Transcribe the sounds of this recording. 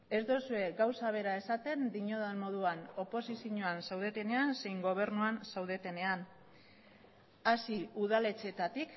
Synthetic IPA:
e̞zd̪osue̞ɡawsaβ̞e̞ɾae̞sat̪e̞nd̪iɲo̞ðanmo̞ð̞uano̞po̞sisiɲoansawð̞e̞t̪e̞ne̞anse̞jŋɡo̞β̞e̞ɾnuansawðe̞t̪e̞ne̞an | asiuð̞ale̞t͡se̞t̪at̪ik

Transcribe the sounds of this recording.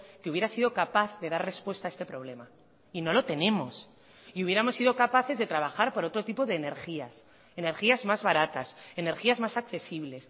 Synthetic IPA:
keuβje̞ɾasiðo̞kapaθðe̞ðarre̞spwe̞st̪aest̪e̞pɾo̞β̞le̞ma | ino̞lo̞t̪e̞ne̞mo̞s | iuβ̞je̞ɾamosːiðo̞kapaθe̞zðe̞t̪ɾaβ̞axaɾpoɾo̞t̪ɾo̞t̪ipoðe̞ːne̞ɾxias | e̞ne̞ɾxiazmazβaɾat̪asene̞ɾxiazmasakθe̞siβle̞s

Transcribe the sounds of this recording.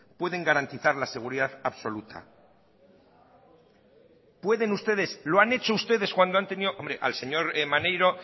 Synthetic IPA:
pwe̞ðe̞ŋɡaɾant̪iθaɾlase̞ɣ̞uɾiðaðaβso̞lut̪ʰa̰ | pwe̞ðe̞nust̪e̞ð̞e̞sloane̞t͡ʃoust̪e̞ðe̞skwand̪oant̪e̞niðoʔombɾe̞ʔa̰lse̞ɲo̞ɾmanejɾo̞

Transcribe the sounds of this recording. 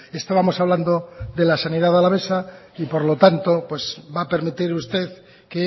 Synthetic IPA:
e̞st̪aβamo̞saβland̪o̞ðe̞lasanið̞aðalaβe̞sa | ipo̞ɾlo̞t̪ant̪opwe̞zbape̞ɾmit̪iɾust̪e̞ð | ke

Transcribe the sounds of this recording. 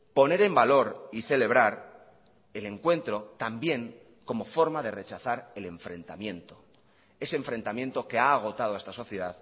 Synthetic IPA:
po̞ne̞ɾe̞mbalo̞ɾiθe̞le̞β̞ɾaɾ | e̞le̞ŋkwe̞nt̪ɾo̞t̪ambje̞ŋ | ko̞mo̞fo̞ɾmaðe̞re̞t͡ʃaθaɾe̞le̞ɱfɾe̞nt̪a̰mjẽ̞nt̪o̞ | e̞seeɱfɾe̞nt̪amje̞nt̪o̞ke̞aːɣ̞o̞t̪að̞oest̪aso̞θje̞ðað

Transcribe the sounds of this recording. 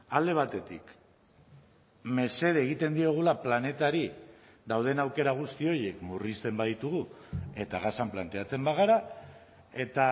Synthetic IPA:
ald̪e̞β̞at̪e̞t̪ḭk | me̞se̞ðeeɣ̞it̪e̞nd̪io̞ɣ̞ulaplane̞t̪aɾi | d̪awðe̞nawke̞ɾaɣ̞ust̪io̞je̞kmurist̪e̞mbaðit̪uɣu | e̞t̪aɣ̞asamplant̪e̞at͡se̞mbaɣ̞aɾa | e̞t̪a

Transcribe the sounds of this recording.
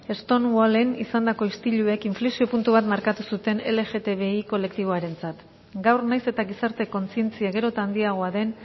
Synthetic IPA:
e̞st̪o̞nwale̞nisand̪ako̞ist̪iʎue̞kiɱflesio̞punt̪uβ̞at̪maɾkat̪usut̪e̞ne̞le̞ʝe̞t̪e̞βe̞iko̞le̞k̚t̪iβ̞o̞aɾe̞nt͡sat̪ | ɡawrnajse̞t̪aɣisaɾt̪e̞ko̞nt͡sie̞nt͡siaɣ̞e̞ɾo̞t̪aːnd̪iaɣ̞o̞aðe̞n

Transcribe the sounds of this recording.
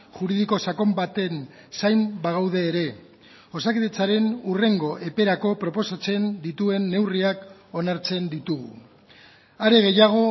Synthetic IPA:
ʝuɾið̞iko̞sako̞mbat̪e̞n | sajmbaɣ̞awð̞e̞ːɾe̞ | o̞sakiðet͡saɾe̞nure̞ŋɡo̞ʔe̞pe̞ɾako̞pɾo̞po̞sat͡se̞nd̪it̪ue̞nːe̞wriako̞naɾt͡se̞nd̪it̪uɣ̞ṵ | aɾe̞ɣ̞e̞jaɣ̞o̞

